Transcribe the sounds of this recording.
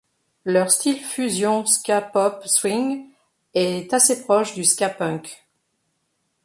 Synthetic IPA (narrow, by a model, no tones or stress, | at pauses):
lœʁst̪ilfyzjɔ̃skʲapɔpswiŋ | ɛt̪asepχɔʃd̪yskʲapœ̃k